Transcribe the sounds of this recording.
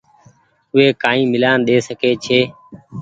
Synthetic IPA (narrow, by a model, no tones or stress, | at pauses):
ʊɦeːkaːĩːmɪlaːnɗ̪eːsəkeːt͡ʃʰeː